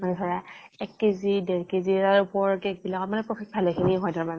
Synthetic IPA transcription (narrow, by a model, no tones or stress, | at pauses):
manɛsʰɔɹa | ɛkːezideɹkeziaɹupɔɹkɛk̚bilakɔmanɛpɹɔkʰɛk̚bʱalɔkʰiniɦɔjdaɹmanɛ